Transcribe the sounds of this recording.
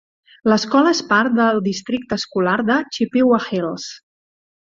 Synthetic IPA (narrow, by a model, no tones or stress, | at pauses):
ləskɔləespaɾt̪̚d̪əlˠd̪ist̪ɾik̚t̪əːskulaɾd̪ət͡ʃipiwaxils